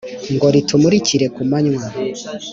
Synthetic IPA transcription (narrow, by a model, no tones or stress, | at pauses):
ŋɡoɾitʰumuɾiciɾe̞kumaɲwa